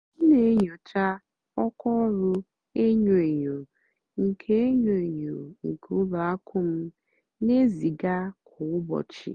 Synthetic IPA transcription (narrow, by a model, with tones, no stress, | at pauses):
n̩˦ne˨˦ɲo˨t͡ʃa˦ | ɔ˦kɔ˦ɾʊ˦ | e˦ɲo˨e˨ɲo˨ | ŋ̩˨kʰe˦e˦ɲo˨e˨ɲo˨ŋ̩˨kʰu˦la˨a˦kʰʊ˦m̩˦ | ne˦zi˨ɡa˦kʰʊ˨ʊ˦bɔ̰˨t͡ʃḭ˨